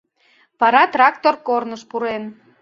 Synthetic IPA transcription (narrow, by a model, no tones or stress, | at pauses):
pɑɾɑt̪rɑkt̪orkornəʃpuɾen